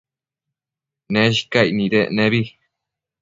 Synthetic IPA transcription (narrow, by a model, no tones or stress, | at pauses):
neʃ̬i̥kajnĩɾeʔnẽβi